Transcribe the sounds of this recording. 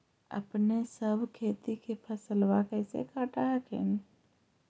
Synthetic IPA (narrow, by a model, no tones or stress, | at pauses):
ə̰pnesəbʱkʰeːt̪ikepʰəsəlwakəɪsḛkaʈakʰḛn